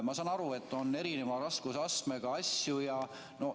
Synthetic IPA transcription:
mɑsɑnɑɾue̞t̪ːo̞nːe̞ɾinemɑɾɑskusɑsme̞ɡ̥ɑɑsjujɑ | no̞

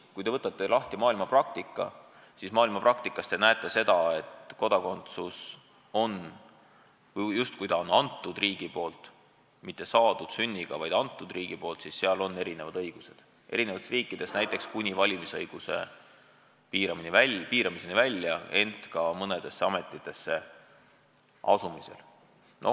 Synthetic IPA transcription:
kujd̪e̞ɤt̪ːˑɑt̪ːˑe̞lɑht̪imɑːilmɑprɑk̚t̪ikˑːɑ̰ | sismɑːilmɑprɑkt̪ikːˑɑst̪enæet̪ːˑe̞se̞d̪̥ɑe̞t̪ko̞d̪̥ɑko̞nt̪sus | o̞n | vjust̪̚kujd̪ɑo̞nɑnt̪ːˑud̪̥riːɡ̥ipo̞ːlt̪ | mit̪ˑːe̞sɑːd̪̥ud̪̥synʲːiɡ̥ɑvɑjd̪̥ɑnt̪ːˑud̪̥riːɡ̥ipo̞ːlt̪sisseɑlo̞nːe̞ɾine̞vɑd̪ɤ̞jɡ̥used̪̥ | ʔe̞̰ɾineɑt̪esriːkːˑid̪̥e̞snæjt̪ːˑe̞kskunʲivɑlʲimisɤjɡ̥use̞̰ | piːɾɑminivæpiːɾɑmisenivælʲːjɑe̞nt̪kɑmɤne̞d̪̥e̞sːeɑmet̪ˑːit̪ːˑe̞sːe̞ | ʔɑ̰sumise̞̰l | no

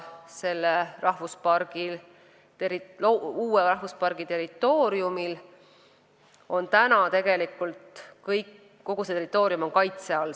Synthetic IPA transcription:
se̞lːerɑhvuspɑrɡ̥il | t̪eɾilouːweɾɑhvuspɑrɡ̥it̪e̞ɾit̪ːˑo̞ːɾjumil | o̞nt̪ænɑt̪e̞ɡ̥e̞likːˑult̪kɤjkː | o̞ɡ̥uset̪eɾit̪ːˑo̞ːɾiumo̞ŋkɑjt̪seɑl

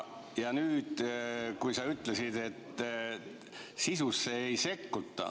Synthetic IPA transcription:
jɑnyːd̪̥kujsɑyt̪ːˑlesid̪̥e̞t̪ː | sisusːeejse̞kːut̪ːˑɑ̰

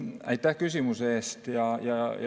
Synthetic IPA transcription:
æ̰it̪ːæːhkysymyseˑst̪jɑjɑjɑ

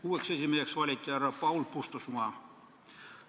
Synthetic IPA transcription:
kuːeksesimːeseksʋɑlʲit̪ʲːɑrɑpɑulpust̪osmuɑ

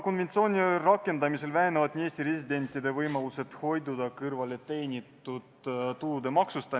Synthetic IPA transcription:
ko̞nve̞nt̪sio̞ːnʲirɑkːˑe̞nd̪ɑmise̞lvæɦenevɑd̪nʲieːsʲt̪iɾe̞sʲid̪e̞nʲt̪ˑːid̪e̞vɤjmɑluse̞t̪ho̞jd̪ud̪ɑkɯrvɑlet̪e̞ːnʲit̪ːˑud̪̥t̪ulud̪e̞mɑksust̪ɑ

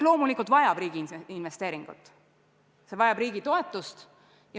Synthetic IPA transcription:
lo̞ːmulikˑult̪vɑjɑb̥riːɡ̥ininve̞st̪e̞ːɾiŋɡ̥ṵt̪ːˑ | se̞vɑjɑb̥riːɡ̥it̪o̞et̪ːˑust̪ | jɑ

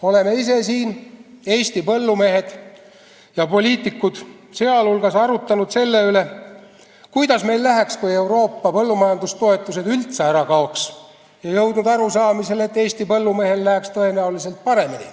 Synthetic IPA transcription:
o̞le̞me̞is̬e̞siːne̞ːst̪ipɤlːume̞ɦe̞d̪̥ | jɑpo̞lʲiːt̪ːˑikːˑud̪̥ | seɑlulɡ̥ɑsɑɾut̪ːˑɑnud̪se̞lːe̞yle̞ | kujd̪̥ɑsme̞jlːæɦækskuje̞wɾo̞ːpːɑpɤ̞lːumɑjɑnd̪ust̪o̞e̞t̪ːˑuse̞d̪̥ylt̪seæɾɑkɑoks | jɑjɤwd̪̥nud̪ɑɾusɑːmise̞let̪ːˑe̞ːst̪ipɤlːume̞ɦe̞llæɦækst̪ɤ̞e̞næulise̞lt̪̚pɑɾe̞minḭ

